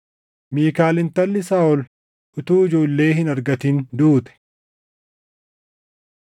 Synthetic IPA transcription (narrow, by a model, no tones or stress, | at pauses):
miːkaːlɪnt̪ɐlːɪsaːʔɔl | ʔʊt̪uːɪd͡ʒo̞ːlːe̞ːɦɪnɐɾɡɐt̪ind̪uːt̪ɛ̥